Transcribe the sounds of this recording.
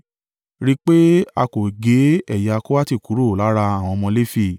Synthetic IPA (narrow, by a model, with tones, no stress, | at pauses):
ɾi˦k͡pe˦a˧ko˨ɡe˨˦ɛ˦˨ja˧ko˦wa˦ti˦˨ku˨˦ɾo˦˨la˨˦ɾa˧a˨w̃ɔ̃˧mɔ̃˧le˦fi˦˨